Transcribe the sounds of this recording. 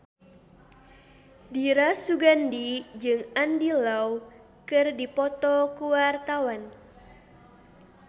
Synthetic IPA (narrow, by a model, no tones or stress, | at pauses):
diɾasuɡandid͡ʒɨŋandilaw | kɨrdipɔt̪ɔkuwart̪awan